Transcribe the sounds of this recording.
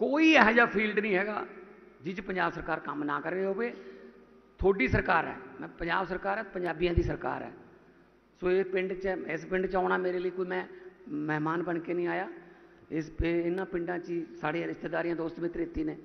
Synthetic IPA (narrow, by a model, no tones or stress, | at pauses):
koːiːɛɦd͡ʒaːpʰiːlɖnĩːɦɛːɡa̰ː | d͡ʒɪt͡ʃpəɲd͡ʒaːbsəɾkaːɾkəmnaːkəɾeːɦoːbeː | t̪ʰoːɖiːsəɾkaːɾɛ̰ːmɛ̃pəɲd͡ʒaːbsəɾkaːɾɛːpəɲd͡ʒaːbijãːd̪iːsəɾka̰ːɾɛ̰ː | soːɪpɪɳɖt͡ʃəɪspɪɳɖt͡ʃaːɳaːmeːɾeːləiːkoːiːmɛ̃ːmɛːmaːnbəɳkeːnĩːaːjaː | ɪsɪnːãːpɪ̃ɳɖãːt͡ʃiːsaːɽiːãːɾɪʃt̪eːd̪aːɾijãːd̪oːst̪mɪt̪ːɾɪt̪ːiːneː